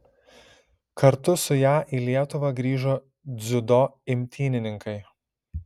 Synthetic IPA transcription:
kɐɾt̪ʊsʊjæːʔiːlʲiɛt̪ʊʋɐɡɾʲiːʒoː | d̪zʲʊd̪oːɪmʲt̪ʲiːnʲɪnʲɪŋkɐɪ

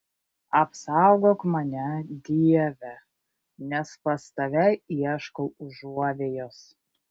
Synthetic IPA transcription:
ɐpsɑʊɡoːkmɐnʲɛd̪ʲiɛʋʲɛ | nʲɛspɐst̪ɐʋʲɛɪiɛʃkolˠʊʒuɔʋʲeːjoːs

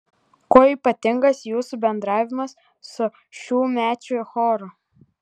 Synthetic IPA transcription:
koːiːˑpɐt̪ʲɪŋɡɐsjuːsubʲɛnd̪ɾɑːʋʲɪmɐsː | ʊ | ʃʲuːmʲæːt͡ʃʲʊɪxɔːɾʊ

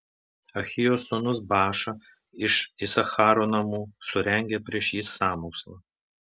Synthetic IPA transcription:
ɐxʲɪjoːsːʊnʊsbɑːʃɐ | ɪʃisɐxɑːɾoːnɐmuːsʊɾʲɛŋʲɡʲepʲɾʲiɛʃjiːsːɑːmoːkslˠɐ

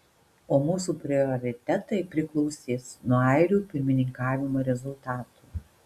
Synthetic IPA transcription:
oːmuːsuːpʲɾʲɪɔɾʲɪt̪ʲɛt̪ɐɪpʲɾʲɪklˠɔʊsʲeːsnuɔɐɪɾʲuːpʲɪɾʲmʲɪnʲɪŋkɑːʋʲɪmoːɾʲɛzʊlˠt̪ɑːt̪uː

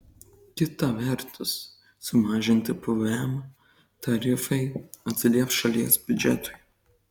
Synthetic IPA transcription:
kʲɪt̪ɐʋʲɛɾt̪ʊsː | ʊmɑːʒʲɪnʲt̪ʲɪpɔʋɛmɐ | t̪ɐɾʲɪfɐɪɐt̪ʲsʲɪlʲiɛfsʃɐlʲiɛsb̥ʲʊd͡ʒʲɛt̪ʊɪ

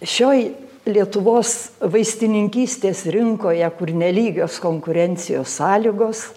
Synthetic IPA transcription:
ʃʲoːj | lʲiɛt̪ʊʋoːsʋɐɪsʲt̪ʲɪnʲɪŋʲkʲiːsʲt̪ʲeːsɾʲɪŋkoːjɛkʊrnʲɛlʲiːɡʲoːskoːŋkʊɾʲɛnʲt͡s̪ʲɪjoːsːɑːlʲiɡoːs

